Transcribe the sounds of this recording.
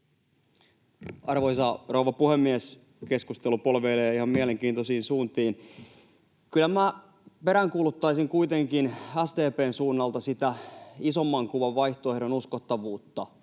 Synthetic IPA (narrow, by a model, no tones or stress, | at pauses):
ɑrʋojsɑrouʋɑpuhemːies | ke̞skust̪elupolʋeːleːihɑmmiæleŋkiːnt̪osiːnsuːnt̪iːn | kylæmæ | pe̞ɾæŋkuːlut̪ːɑisiŋkuit̪eŋkinæst̪eːpeːnsuːnːɑlt̪ɑsit̪æisomːɑŋkuʋɑʋʋɑjht̪oehɾonuskot̪ːɑʋuːt̪ːɑ